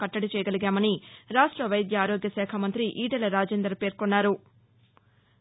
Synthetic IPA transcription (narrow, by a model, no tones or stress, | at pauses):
kɐʈːɐɽit͡ʃɛjɐɡɐliɡaːmɐniɾaːʂʈɾɐʋɐjɐd̪jɐaːɾoːɡjɐsɛːkʰɐmɐnt̪ɾiʔiːʈɐlɐɾaːd͡ʒeːnd̪ɾɐpe̞ːɾkonːaːɾu